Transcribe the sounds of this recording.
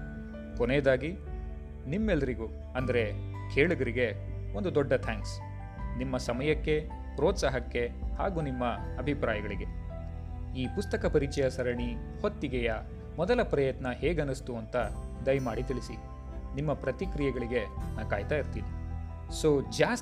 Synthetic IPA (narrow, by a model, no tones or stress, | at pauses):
koneːd̪aːɡi | nimːɛlːɐɾiɡu | ɐnd̪ɐɾe̞ | kʰeːɭuɡɐɾiɡe̞o̞nd̪ud̪ɔɖːɐt̪ʰaːŋks | nimːɐsɐmɐjɐkːe̞ | pɾɔːt̪saɦɐkːe̞haːɡuːnimːɐɐbʱipɾaːjɐɡɐɭiɡe̞ | iːpust̪ɐkɐpɐɾit͡ʃɐjɐsɐɾɐɳi | hot̪ːiɡɛjɐ | mɔd̪ɐlɐpɾɐjɐt̪nɐheːɡɐnust̪uɐnt̪ɐd̪ɐjmaːɽit̪iɭisi | nimːɐpɾɐt̪ikɾijɛɡɐɭiɡe̞naːkaːjt̪aːjiɾt̪iːni | soːd͡ʒaːs